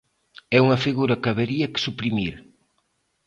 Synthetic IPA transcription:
ɛuŋɐfiɣuɾɐkɐβeɾiɐkɪ̥supɾimiɾ

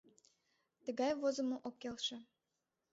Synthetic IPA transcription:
t̪ə̆ɣɑjvozə̆moʔokːelʃĕ

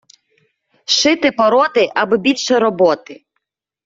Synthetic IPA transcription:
ʃɪt̪ɪpɔɾɔt̪ɪʔɐbɔbʲilʲʃɛɾɔbɔt̪ɪ

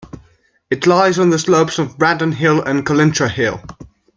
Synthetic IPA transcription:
ɪtʰlaɪzn̩ðəsləʊpsəvɹadⁿən̩ɦɪlə̰̃nkʰəlɪ̃ntʰɹ̥əhɪlˠ

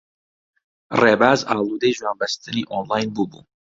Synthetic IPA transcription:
reːbaːzaːlˠuːd̪ɛjʒwaːnbɐst̪ɨniːʔonlaːjnbuːbṵː

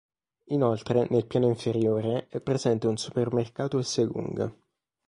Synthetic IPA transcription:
inolt̪ɾenelpjaːnoiɱfeɾjoːɾeɛpːɾezɛnt̪eunsu̥permerkaːt̪oesːeɡṵŋɡ

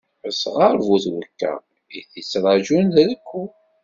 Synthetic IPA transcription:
əsʁaɾˤvuθwəkːæ̰ | iθit͡sːɾˤɑʒunððəkʷːu

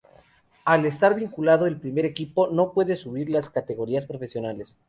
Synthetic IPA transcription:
ale̞st̪aɾβiŋkulaðoelpɾime̞ɾe̞kipo̞no̞pwe̞ðesuβiɾlaskat̪e̞ɣo̞ɾiaspɾo̞fesjo̞nale̞s

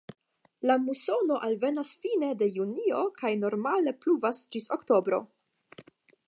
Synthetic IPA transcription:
lamuso̞no̞ʔalve̞nasfine̞de̞junio̞kajno̞ɾmale̞pluvasd͡ʒisokto̞bɾo̞̰

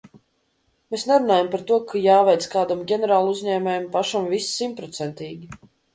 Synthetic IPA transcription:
meːsnɛɾunaːjampaɾt̪uɔkʰajaːvɛjt̪skaːd̪amɡʲɛnɛɾaːlˠuzɲɛːmʲɛːjmpaʃamvissimpɾɔt̪sɛnt̪ʲiːɡʲi

